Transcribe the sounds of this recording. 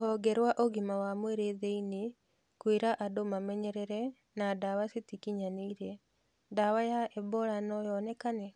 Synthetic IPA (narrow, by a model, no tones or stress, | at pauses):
ɔɡɛɾwaʔoɣimawamweɾeðeini | kweɾaʔadomamɛɲɛɾɛɾɛ | nadawasetikiɲaneiɾɛ | dawajaɛbɔɾanɔjɔnɛkanɛ